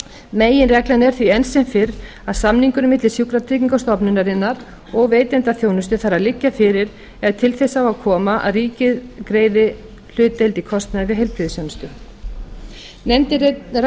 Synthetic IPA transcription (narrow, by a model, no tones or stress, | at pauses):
meːjɪnrɛklɛnɛɾ̥θviɛnsɛnfɪɾ | aðsamniŋkʏɾmɪt̪lɪsjukɾat̪ʰɾɪːciŋkast̪ɔpnʏnːaɾɪnːaɾ | ɔɣveːjt̪ɛnt̪aθjownʏst̪ɪθaɾaðlɪcːafɪːɾɪɾ | ɛðt̪ʰɪlθɛsawaðkʰɔːmaʔa̰ðriːcɪðkɾeːjðɪ | l̥ʏːt̪elt̪ikʰɔst̪naðvɪɦɛjlpɾiðɪsjownʏst̪ʏ | nɛnt̪